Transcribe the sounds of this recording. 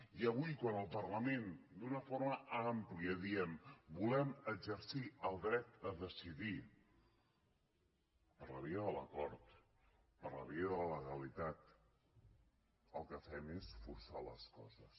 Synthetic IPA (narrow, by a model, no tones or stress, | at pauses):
iəβujkwanəlˠpərləmend̪unəfoɾməʔampliəðiəmbulɛməɡzəɾsiəlˠd̪ɾɛt̪̚əðəsiði | pəɾləβiəðələ̰kɔɾt̪ | pəɾlə̰βiəðələləɣəlit̪at̪̚ | əlˠkəfɛmesfuɾsalə̰skɔ̰zəs